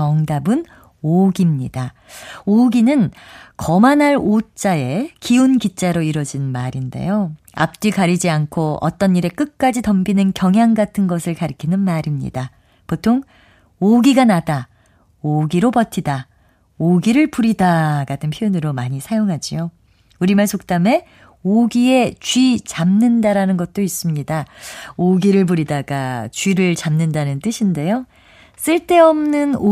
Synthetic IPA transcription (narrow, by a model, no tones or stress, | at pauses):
ʌŋdabɯn | oɡimɲḭda | oɡinɯnkʌmanaɭot͡ɕ͈ae̞kiunkit͡ɕ͈aɾoiɾʌd͡ʑinmaɾinde̞̰jo | a̰p̚t͡ɕ͈ikaɾid͡ʑiankʰoʌ̰t͈ʌniɾe̞k͈ɯk̚k͈ad͡ʑitʌmɡinɯnkjʌŋɦjaŋɡatʰɯnɡʌsʰɯɭkaɾɯkʰinɯnmaɾimɲḭda | potʰoŋ | oɡiɡanada | oɡiɾopʌtʰida | oɡiɾɯɭpuɾidaɡatʰɯnpʰjojonɯɾomaɲisʰajoŋɦad͡ʑio | uɾimaɭsʰok̚t͈ame̞ | oɡie̞t͡ɕɥit͡ɕamnɯndaɾanɯnɡʌt̚t͈ois͈ɯmɲidaoɡiɾɯɭp̬uɾidaɡat͡ɕɥiɾɯɭt͡ɕamnɯndanɯnt͈ɯɕʰinde̞jo | s͈ɯɭt͈e̞ʌmnɯno